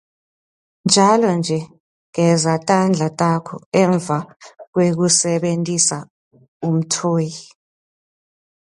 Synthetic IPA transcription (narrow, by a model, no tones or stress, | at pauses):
nd͡ʒʱalɔnd͡ʒʱɛ | ŋɛzatʼand͡ɮʱatʼakʰɔ̰ɛɱb̪vʱak̬wek̬usɛɓentʼisa | um̩tʰoːji